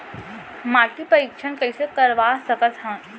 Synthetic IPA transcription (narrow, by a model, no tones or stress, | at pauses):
maʈʰiːpəɾikʂənkəjsekəɾʋasəkətɦã